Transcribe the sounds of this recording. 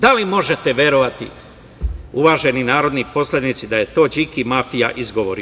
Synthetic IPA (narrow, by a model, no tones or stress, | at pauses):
d̪alimo̞ʒet̪eʋʲje̞ɾoʋat̪ḭ | uʋaːʒe̞ninaːɾo̞d̪nipo̞sled̪nit̪sid̪aje̞t̪o̞ːd͡ʒikimafijaʔizɡo̞ʋoɾ